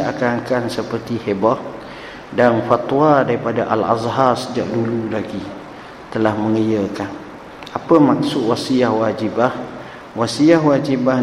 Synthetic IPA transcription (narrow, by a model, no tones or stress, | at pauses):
a̰kaŋkansəpərt̪ihebɔʔ | danfat̪wadaɾipadaʔala̰zɦarsəd͡ʒaʔdululaɡi | t̪əlahməŋəjəkan | apəmak̚sʊʔwasiahwad͡ʒibah | wasiahwad͡ʒibah